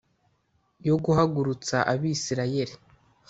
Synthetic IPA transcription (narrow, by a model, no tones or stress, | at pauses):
jo̞ɡuhaɡuɾut͡saʔaβisiɾaje̞ɾi